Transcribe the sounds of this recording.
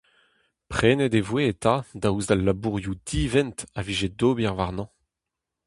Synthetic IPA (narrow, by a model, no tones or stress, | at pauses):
pχeːnedevweːt̪ʰad̪auzdalːabuʁjud̪̥iːvɛntaviːʒed̪oːbiʁvaʁnɑ̃